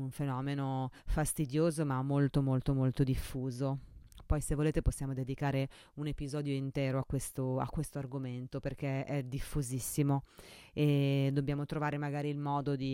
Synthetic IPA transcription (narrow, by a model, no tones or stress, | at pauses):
uɱfenɔːmenofast̪id̪joːzomamːolt̪omolt̪omolt̪od̪ifːuːzopɔjsevːoleːt̪eposːjaːmod̪ed̪ikaːɾe | unepizɔːd̪joint̪ɛːɾoakwest̪oa̰kːwest̪oarɡoment̪operkeɛd̪ifːuzisːimoed̪obːjaːmot̪ɾovaːɾemaɡaːɾiːlmɔːd̪od̪i